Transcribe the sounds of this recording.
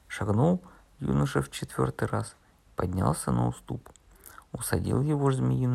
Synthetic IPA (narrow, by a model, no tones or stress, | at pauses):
ʂɐɡnolˠ | jṵnəʂəft͡ɕɪt̪vʲo̞̰rt̪ɨjras | pɐdʲnʲa̰lˠsʲənə̰ʊst̪up | ʊsɐdʲḭlˠjɪvoʐzmʲɪjin